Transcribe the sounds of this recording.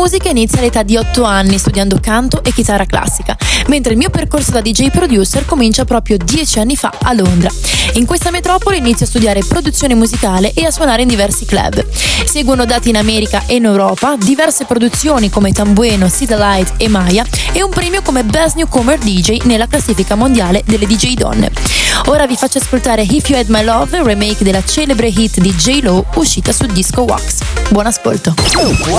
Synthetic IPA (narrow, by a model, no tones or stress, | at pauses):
uːzikainit̪sjalːet̪ad̪ːiɔt̪ːoanːist̪ud̪jand̪okant̪oʔekːit̪aːrːakla̰sːikament̪ɾeilmiːoperkorsod̪ad̪id͡ʒɛjpɾod̪juːserkomint͡ʃapɾɔːpɾjod̪jɛt͡ʃianːifa̰alːond̪ɾaiŋkwest̪amet̪ɾɔːpoleinit̪sjoast̪ud̪jaːɾepɾod̪ut̪sːjoːnemuzikaːleʔeasːwonaːɾeind̪ivɛrsiklɛ̰b | sɛːɡwonod̪aːt̪iːnamɛːɾikaʔeinewɾɔːpad̪ivɛrsepɾod̪ut̪sːjoːnikomet̪ambwɛːnosit̪lajt̪emːaja | ɛumpɾɛːmjokomebɛznjukomerd̪id͡ʒejnelːaklasːiːfikamond̪jaːled̪elːed̪id͡ʒejd̪ɔ̰nːḛoːɾavifat͡ʃːaskolt̪aːɾeɦifjuɛd̪majlɔvremɛjkd̪elːat͡ʃɛːlebɾeɦit̪ːd̪id͡ʒejlouʃːiːt̪asud̪iskowa̰ksbwɔːnasko̰lt̪o